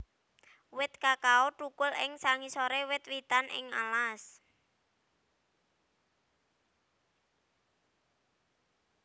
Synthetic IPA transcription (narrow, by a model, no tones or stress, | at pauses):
wɪt̪̚kakaoʈukʊlɪŋsaŋisoɾewɪt̪wit̪anɪ̰ŋa̰las